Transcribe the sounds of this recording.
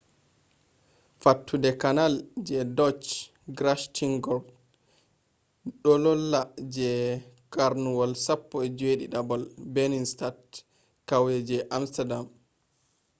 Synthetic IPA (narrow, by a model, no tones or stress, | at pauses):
fatːudɛkanald͡ʒɛdɔt͡ʃ | ɡɾaʃtʰiŋɡɔb | ɗɔlɔlːad͡ʒɛ | kaɾnuwɔlsapːɔɛd͡ʒeɗḭɗabɔlbeninstat | kawjɛd͡ʒɛʔamstadam